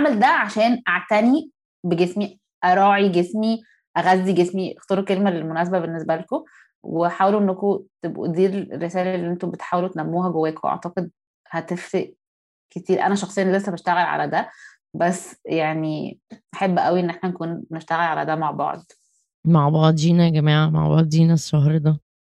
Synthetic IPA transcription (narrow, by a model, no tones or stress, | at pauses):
aʕmeld̪æʕaʃæːnʔaʕt̪æni | beɡesmi | ʔæɾˤɑːʕiɡesmi | ʔæɣæzːiɡesmiʔext̪ɑːɾukelmælelmonæːs̬æbæbenːesbæleko | weħaːweluʔenːækot̪ebʔṵd̪iːɾḛrːesæːlælːiʔent̪obet̪ħaːwelut̪enæmːuːɦæɡowːæːkowʔɑ̰ʕt̪ɑqed̪̚ | hæt̪eft̪eʔ | ket̪iːɾʔæ̰næʃɑxsˤejːɑnlesːæbeʃt̪æɣælʕa̰læd̪æ | bæsːjaʕniħebːʔæwiʔenːeħnænkuːnneʃt̪æɣælʕalæd̪æmaʕbɑ̰ʕd̪ | maʕbɑʕd̪ˤd͡ʒiːnæɡæmiːʕama̰ʕbɑ̰ʕd̪ˤd͡ʒiːnæʃːɑɦɾd̪æ